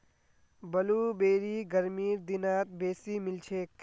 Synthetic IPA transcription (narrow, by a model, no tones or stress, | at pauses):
bɐluːbeːɾiːɡəɾmiːɾd̪inaːt̪̚beːsimɪlt͡ʃʰeːk